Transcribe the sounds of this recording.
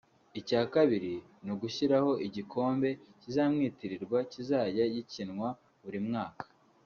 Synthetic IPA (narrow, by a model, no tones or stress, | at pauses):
icaːkaβiɾi | nuɡuçiɾaho̞ʔiɟikʰo̞ːmbe̞cizaːmŋiːtiɾiɾɡwacizaːɟajicinŋwa | βuɾimŋaːkḁ